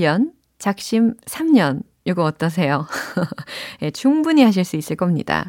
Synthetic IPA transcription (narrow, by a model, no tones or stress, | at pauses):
ʌn | t͡ɕak̚ɕ͈imsʰamɲʌn | joɡʌʌt͈ʌs̬ʰe̞jo | je̞t͡ɕuŋbuɲiɦaɕ̬ʰiɭs͈uis͈ɯɭk͈ʌmɲḭda̰